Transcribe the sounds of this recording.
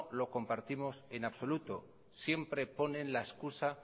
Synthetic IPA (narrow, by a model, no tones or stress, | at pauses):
lo̞ko̞mpaɾt̪imo̞se̞naβso̞lut̪o̞ | sje̞mpɾe̞po̞nẽ̞nlaeskusa